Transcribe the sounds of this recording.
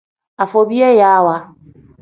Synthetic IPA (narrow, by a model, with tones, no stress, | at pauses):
a˨fo˨bi˦e˦ja˦wa˦